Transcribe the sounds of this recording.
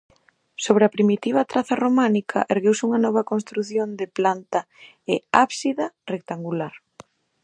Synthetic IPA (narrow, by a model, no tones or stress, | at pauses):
soβ̞ɾɪɐpɾimit̪iβ̞ɐt̪ɾaθɐromanikʰɐ̰ʔeɾɣewsuŋɐnɔβɐkonst̪ɾuθjond̪ɪplant̪ɐ | ɪaβsiðɐrek̚t̪aŋɡulaɾ